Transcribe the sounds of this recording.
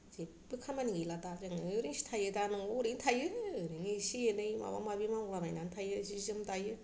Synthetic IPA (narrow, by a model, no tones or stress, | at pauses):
ze | bɯkʰamaniiladazeŋɯɾiŋsi̥tʰajɯdanɯŋoɾiŋtʰajɯɾiŋisijɯnɯjma̰ba̰mabimaolamajnantʰajɯsizɯmtajɯ